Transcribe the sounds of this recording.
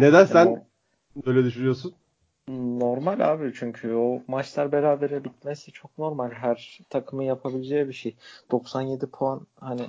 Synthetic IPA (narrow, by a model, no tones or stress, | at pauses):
ned̪ænsæn | øːjlʲɛd̪yʃynyjo̞s̬un | no̞ɾmalʲa̰ːbit͡ʃʰyɲcʰyomat͡ʃlˠaɾbeɾaːbe̞ɾɛbit̪̚mɛsit͡ʃʰo̞k̚no̞ɾmalʲɦæɾt̪ʰakʰɯmɯjapʰabilʲed͡ʒɛbiʃejd̪̥o̞ksanje̞d̪ipʰoanhanɪ